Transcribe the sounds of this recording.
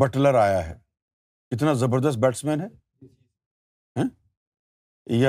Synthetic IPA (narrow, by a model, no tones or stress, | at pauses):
bɐʈləɾaːjaɦɛ̰ː | kɪt̪̬nazɐbəɾd̪əs̬t̪̚bɛːʈsmɛːnɦɛː | ɦɛ̃ː | ja